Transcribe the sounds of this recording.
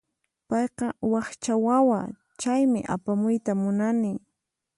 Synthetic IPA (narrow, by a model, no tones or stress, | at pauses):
pɑjqɑwɑχt͡ʃawawa | t͡ʃajmɪ̰ʔa̰pamʊjt̪amʊnanɪ